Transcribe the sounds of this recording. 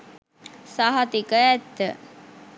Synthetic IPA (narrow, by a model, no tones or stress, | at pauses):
saɦat̪ikəɛt̪ːə